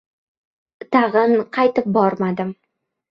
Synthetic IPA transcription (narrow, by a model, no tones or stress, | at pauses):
t̪ɑʁɤnqʰɑjt̪ɪp̚bɒɾmad̪ɪm